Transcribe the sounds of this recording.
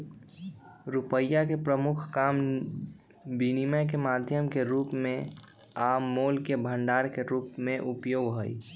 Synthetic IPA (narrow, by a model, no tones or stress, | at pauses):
ɾupəjːakepɾəmʊkʰkaːm | biniməjk̬emaːd̪ʱjəmkeɾuːpmẽ | aːmːoːlkebʱə̃ɳɖaːɾkeɾuːpmẽʔʊpjoːɡɦoi